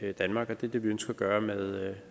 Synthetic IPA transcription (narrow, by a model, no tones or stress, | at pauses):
d̥ænmɑ̈ːɡ̥ɒd̥e̝ɐd̥eʋiønsɡ̥ɐɡ̥ɶːɐmeðˠ